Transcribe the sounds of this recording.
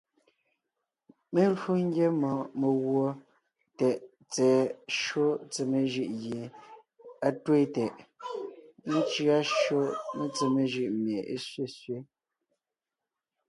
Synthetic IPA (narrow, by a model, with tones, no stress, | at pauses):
me˦lu˦ŋ̩˦ɡje˦mɔ̃˨me˨ɣwo˨ | tɛ˨ʔ | t͡sɛː˨ʃo˦t͡se˨me˨ʒɯ˦˨ʔɣje˨ | a˦twe˦˨tɛ˨ʔ | ne˦t͡ʃɰa˦ʃɰo˦me˦t͡se˨me˨ʒɯ˦˨ʔmje˨ḛ˦sɥe˦˨sɥe˦